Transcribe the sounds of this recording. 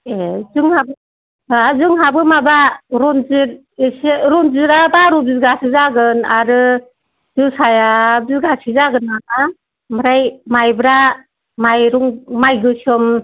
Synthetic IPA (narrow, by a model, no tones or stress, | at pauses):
ezɯŋhabɯ | zɯŋɦabɯmabaɾɔnzɯɾ | seɾɔnzɯɾabaɾubiɡasɯzaɡɯnaɾɯ | z̥ɯsajabiɡasizaɡɯnaa | maɾajmajbɾa | majɾuŋmajɡɯsɔm